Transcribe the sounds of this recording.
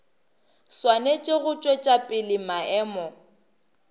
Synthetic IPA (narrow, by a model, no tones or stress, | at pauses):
swanet͡ʃʼɪɣʊt͡ʃʼwet͡ʃʼapʼɪlɪmaɛːmɔ